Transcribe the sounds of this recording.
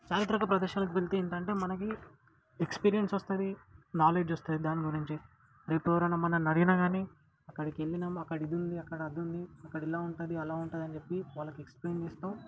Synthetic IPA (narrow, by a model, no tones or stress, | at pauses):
t͡ʃaːɾit̪ɾɐkɐpɾɐd̪ɐːʃaːlɐk̬uʋelt̪eiɳt̪ɐɳʈeːmɐnɐki | ekspiːɾijensost̪uːd̪inaːle̞ːd͡ʒost̪uaːd̪id̪aːniɡuɾiɲt͡ʃi | ɾeːpeʋɾɐnɐmːɐnɐnɐɾinɐɡaːneː | ɐkːɐɽikielːinɐmɐkːɐɽɐid̪und̪iɐkːɐɽɐɐd̪ːund̪iɐkːɐɽilaːuɳʈud̪iɐlaːuɳʈaːd̪ɐnd͡ʒepːiʋaːlːɐkueksplejnd͡ʒist̪oːm